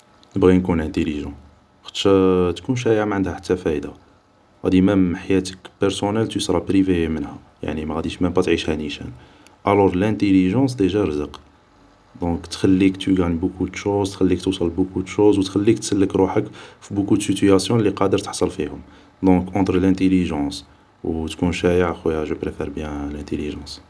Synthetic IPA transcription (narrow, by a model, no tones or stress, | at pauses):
nəbɣinkunæ̃t̪eliʒɑ̃ | xə̥t̪ʃæt̪kunʃ̬æamʕənd̪hæħḁt̪ːæfæjd̪a | ɣæ̰d̪imæmħajæt̪ə̥kpəɾsonælt̪usɾˤɑbɾivemənhæ | ja̰ʕnimæɣæd̪iʃmæbæt̪ʕiʃhæniʃæ̰n | ʔælɔɾˤlæ̃t̪eliʒɑ̃s̬d̪eʒæɾəzəq | d̪ɔ̃kt̪xælːikt̪yɡænbukud̪ʃozt̪xælːikt̪usˤɑlbukud̪ʃozwət̪xælːik̚t̪səlːəkɾuħəkfibukud̪sit̪yæsjɔ̃lːiqɑd̪əɾt̪ə̥ħsˤəlfihʊm | d̪ɔ̃kʔɑ̃t̪ɾəlæ̃t̪eliʒɑ̃s | wt̪kũʃæjəʕxwæjæʒəpɾefɛɾbjæ̃læ̃nt̪eliʒɑ̃s